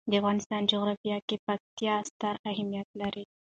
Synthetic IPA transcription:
d̪əafɣɑnɪst̪ɑnd͡ʒoɣɾɑfijɑkepak̚t̪jɑst̪aɾahamjat̪̚laɾi

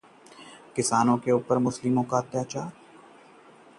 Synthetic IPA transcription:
kɪsaːnõkeuːpəɾmʊslɪmõkaɐt̪jaːt͡ʃaːɾ

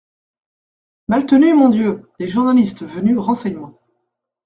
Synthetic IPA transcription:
malt̪ənymɔ̃d̪jød̪̥eʒuʁnalist̪vənyʁɑ̃sɛɲmɑ̃

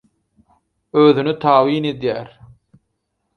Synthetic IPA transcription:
øːðynyt̪ʰɑːwiːne̞d̪jæːɾ

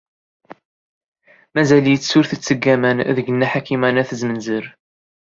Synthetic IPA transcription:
mæzæljət͡sːsʊɾθət͡sːəɡːæmænðəɡənːæħakːimænæθəzmənzəɾ

